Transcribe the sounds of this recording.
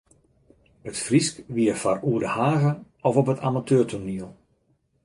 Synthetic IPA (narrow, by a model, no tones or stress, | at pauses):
ətfriskʋiərfaruədəhaːɣə | ɔfɔpətʰa̰matʰøːrtʰoniəlˠ